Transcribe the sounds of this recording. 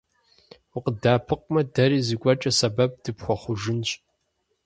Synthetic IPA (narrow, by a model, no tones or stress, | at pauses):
ʊqədaːpʰɨq̚ʼmɐdɐɾiːzɨkʷʼɔt͡ʃʼɐsɐbɐb̚d̥ɨpxʷɔχʷʊʒɪnɕʼ